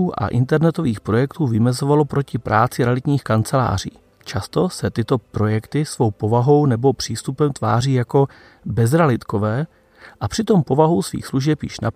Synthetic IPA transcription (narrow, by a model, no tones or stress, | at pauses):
uːʔa̰ʔɪ̰nt̪ɛɾnɛt̪o̞viːxpɾo̞jɛkt̪uːvɪmɛzo̞valo̞pɾo̞cɪpɾʔaːt͡sɪɾɛlɪt̪ɲiːxkant͡sɛla̰ːr̝ḭː | t͡ʃast̪o̞sɛt̪ɪt̪o̞pɾo̞jɛkt̪ɪsvo̞wpo̞vaɦo̞wnɛbo̞pr̥iːst̪upɛmt̪va̰ːriːjako̞ | bɛzɾalɪt̪ko̞vɛː | ʔapr̝̥ɪt̪o̞mpo̞vaɦo̞wsvḭːxsluʒɛpjḭːʃna